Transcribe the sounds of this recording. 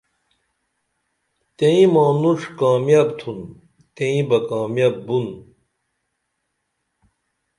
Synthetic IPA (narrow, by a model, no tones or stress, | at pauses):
t̪eĩmaːnuʂkaːmjaːbt̪ʰun | t̪ẽĩbɐkaːmjabːun